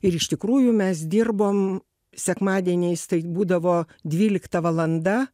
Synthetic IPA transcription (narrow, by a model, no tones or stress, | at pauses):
ɪɾɪʃt̪ʲɪkɾuːjʊmʲɛsd̪ʲɪrboːm | sʲɛkmɑːd̪ʲiɛnʲɛɪst̪ɐɪbuːd̪ɐʋoː | d̪ʲʋʲiːlʲɪkt̪ɐʋɐlˠɐnd̪ɐ